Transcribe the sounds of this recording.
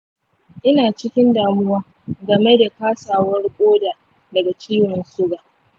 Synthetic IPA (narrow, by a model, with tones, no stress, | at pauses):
ʔɪ˦naː˨t͡ʃɪ˦kʲɪ˦ndaː˨mʊ˦waː˦ | ɡɐ˨me˦da˨kaː˦saː˨wɐ˦rkʷʼoː˦daː˨ | dɐ˨ɡa˨t͡ʃiː˦wɐ˨nsʊ˦ɡaː˨